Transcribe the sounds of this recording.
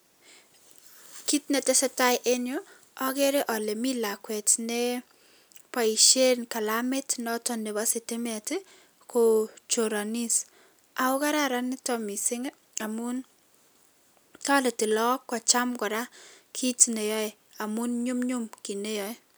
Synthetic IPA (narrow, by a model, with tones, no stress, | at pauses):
ki˦tne˨te˦sɛ˦ta˦jʔe˦njo˦ | ɔ˦ke˦ɾe˦ʔɔ˨le˨mi˦la˨kwɛ˨tne | pa˨i˨ʃe˦nka˨la˦me˦tnɔ˦tɔ˦ne˨βa˦se˨te˦mɛ˨te˦ | ko˨t͡ʃo˨ɾa˨ni˦s | a˨ʊ˦ka˦ɾaɾa˦ni˦tɔ˨mi˨sɪ˦ŋ | a˨mu˦n | tɔ˦le˨tɪ˨lɔ˦kːɔ˨t͡ʃa˦mkɔ˨ɾa˦kʰi˦tne˨jɔ˦e | a˨mu˦nɲu˦mɲu˦mki˨ne˦jɔj